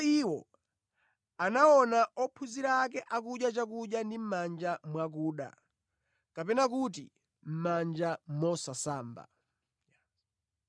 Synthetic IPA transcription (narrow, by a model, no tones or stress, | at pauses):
iwɔ̰ | anaɔnaɔpʰuziɾakɛʔakuʄjat͡ʃakuʄjandim̩mand͡ʒamwak̬uːɗa̰ | kapɛnakut̬i | m̩mand͡ʒamɔsasaːmba̰